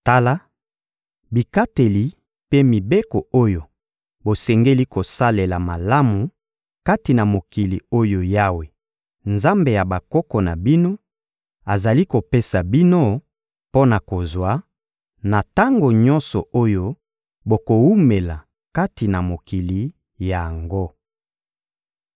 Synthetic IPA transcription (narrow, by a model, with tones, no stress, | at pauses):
ta˦la˦ | bi˨ka˦te˨li˨ | pe˦mi˨be˦kɔ˨o˦jo˨ | bo˨sɛ˨ŋɡe˦li˦ko˨sa˦le˨la˨ma˨la˦mu˨ | ka˦ti˨na˨mo˨ki˨lḭ˨o˦jo˨ja˦we˨ | nza˦mbe˨ja˨ba˨kɔ˦kɔ˨na˨bi˦no˦ | a˨za˨li˦ko˨pe˦sa˨bi˦no˦ | po˦na˨ko˨zwa˦ | na˨ta˦ŋɡo˨ɲɔ˦nsɔ˨ʔo˦jo˦ | bo˨ko˨wu˦me˨la˨ | ka˦ti˨na˨mo˨ki˨li˨ | ja˨a˨ŋɡo˦